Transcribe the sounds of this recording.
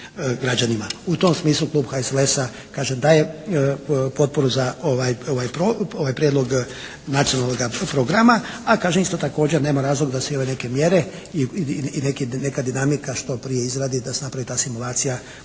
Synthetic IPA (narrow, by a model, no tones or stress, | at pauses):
ɡɾad͡ʒanimaut̪o̞msmiːslˠuklˠuːbxaeselesa | kaːʒemd̪aːje̞ | po̞t̪̚po̞ɾuzaoʋajoʋajpɾooʋajpɾjed̪lo̞ɡ | nat̪sionalnoɡapɾo̞ɡɾamaakaːʒemist̪o̞t̪ako̞ːd͡ʑeɾne̞ːmaɾaːzlo̞ɡd̪aseoʋe̞ne̞ke̞mje̞ɾe̞ | iinekine̞kad̪inamikaʃt̪o̞pɾijeizɾaːd̪id̪asenapɾaʋit̪aːsimulˠaːt̪sija